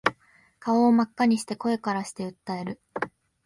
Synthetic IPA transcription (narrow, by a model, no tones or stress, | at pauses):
kaoːmakːaɲ̟iɕi̥t̪e̞ko̞e̞kaɾaɕi̥t̪e̞ɯ̟t̪ːae̞ɾɯ̟